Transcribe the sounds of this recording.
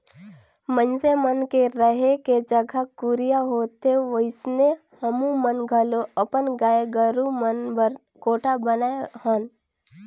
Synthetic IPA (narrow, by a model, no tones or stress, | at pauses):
mə̃nsemənkeɾəɦeked͡ʒəɡʱəkuɾijaɦoːt̪eʋəɪsne | həmũmənɡʱəloəpənɡaːɡəɾũmənbə | koːʈʰabənaehəːn